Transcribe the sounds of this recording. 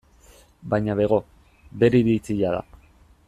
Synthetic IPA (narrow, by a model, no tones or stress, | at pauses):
bajɲaβe̞ɣo̞ | be̞ɾeβit͡siʎaða̰